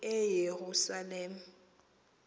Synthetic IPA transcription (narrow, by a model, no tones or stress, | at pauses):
ɛjeɣusaleːm̩